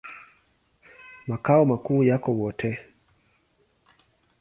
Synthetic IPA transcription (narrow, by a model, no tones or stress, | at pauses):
makaɔmakuːjakɔwɔtʰɛ